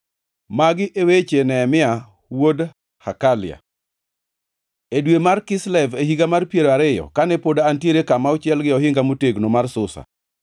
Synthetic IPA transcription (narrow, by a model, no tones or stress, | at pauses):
maɡɪʔewet͡ʃenɛmɪa | wod | hakalɪja̰ | edwemarkɪslɛvehiɡamarpjeɾaɾɪjɔ̰kanɛpodantieɾekamaʊt͡ʃjɛlɡɪɔɦɪŋɡamoteɡnomarsʊsa̰